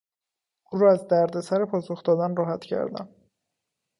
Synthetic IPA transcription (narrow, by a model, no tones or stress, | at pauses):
ʔuːnɾɒːæzd̪æɾd̪e̞sæɾepʰɒːsoxd̪ɒːd̪ænrɒːɦæt̪ʰcʰæ̰ɾd̪æ̰m